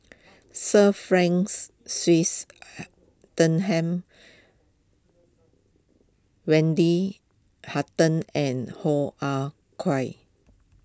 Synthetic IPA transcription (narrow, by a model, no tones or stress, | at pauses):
səfɹɛ̃ŋsː | wis | tə̃nɦɛ̃m | wɛ̃ndi | hatə̃nɛ̃nhoʔa | kʰwaɪ